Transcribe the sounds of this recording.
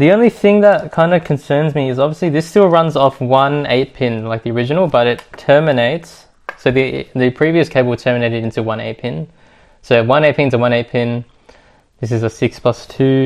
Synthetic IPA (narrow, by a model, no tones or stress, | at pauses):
ðiõʊ̃nliθɪ̃ŋðət̚kʰãɪ̃ndɨkʰɨ̃n̩sɜ̃˞nzmiɨzɑbviəsliðɪstɪlˠɹʌ̃nzɔfwʌ̃nḛɪt̚pʰɪ̃nlaɪk̚ðiə˞ɪd͡ʒɨnl̩ˠbʌɾɨtʰɜ˞mɨneɪtsː | oʊðiðɨpʰɹ̥iviɨskʰeɪbl̩ˠtʰɜ˞mɨneɪɾɨɾɪ̃ntʉwʌ̃nḛɪt̚pʰɪ̃n | soʊwʌ̃ñeɪpʰɪ̃ntʰɨwʌ̃neɪt̚pʰɪ̃n | ðɪs̬ɨzɨsɪkspʰl̥ʌstʰʉ